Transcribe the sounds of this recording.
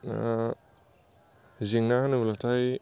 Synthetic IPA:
ziŋnaaniulatʰaj

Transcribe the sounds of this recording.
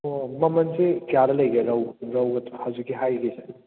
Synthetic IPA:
omɐmɐnsekjaɾɐlɐjɡeɾɐwɾɐwɡɐtʰhɐzuɡiɦajɡise

